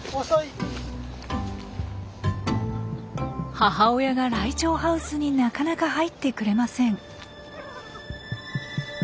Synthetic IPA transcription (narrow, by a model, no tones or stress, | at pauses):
haɦao̞jaɡaɾait͡ɕo̞ːɦaɯ̟sɨɲ̟inakanakaɦait̪ːe̞kɯ̟ɾe̞masẽ̞ɴ